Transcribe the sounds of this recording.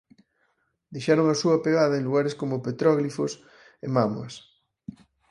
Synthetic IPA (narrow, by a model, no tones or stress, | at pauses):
d̪ejʃaɾoŋasuɐpeɣaðɐenluɣaɾeskomopet̪ɾɔɣlifos | emamua̰s